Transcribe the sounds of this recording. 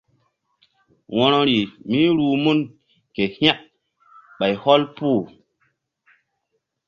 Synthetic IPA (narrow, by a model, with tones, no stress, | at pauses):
wɔ˦no˦ɾi˨mi˦ɾuː˨mu˦n | ke˨ha˦ʔ | ɓa˨jhɔ˦lpu˦˨